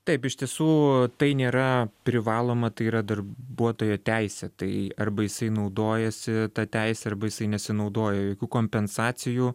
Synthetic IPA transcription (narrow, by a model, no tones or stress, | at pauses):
t̪ɐɪpɪʃt̪ʲiɛsuːt̪ɐɪnʲeːɾɐpʲɾʲɪʋɑːlˠoːmɐt̪ɐɪiːɾɐd̪ɐrbuɔt̪oːjoːt̪ʲæɪsʲɛt̪ɐɪɐrbɐjɪsɐɪnɐʊd̪oːjɛsʲɪt̪ɐt̪ʲæɪsʲɛɐrbɐjɪsɐɪnʲɛsʲɪnɐʊd̪oːjɛjoːkʲuːkoːmʲpʲɛnsɑːt͡s̪ʲɪjuː